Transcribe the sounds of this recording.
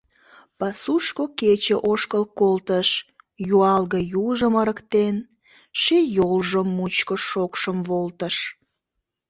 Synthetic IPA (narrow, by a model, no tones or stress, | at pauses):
pɑsuʃkoket͡ɕeʔoʃkəlkolt̪əʃ | juɑlɣəjuʒəməɾəkt̪en | ʃejolʒəmːut͡ɕkəʃokʃəmβolt̪əʃ